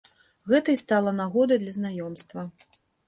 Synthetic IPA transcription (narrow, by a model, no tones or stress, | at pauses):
ɣɛt̪ɐjst̪alˠɐnaɣɔd̪ɐjd̪lʲɐznajɔmst̪vɐ